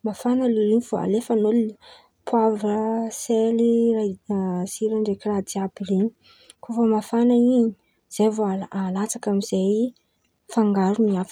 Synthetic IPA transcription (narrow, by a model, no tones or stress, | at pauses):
mafanəliɾinifoa̰lefanoli | pʰwavəselirasiɾəɳɖ͡ʐekirad̪iabireɲi̥ | kufəmafanaiɲi̥ | z̥ejvoaalat͡sakamiz̥aj | faŋɡaɾuniaf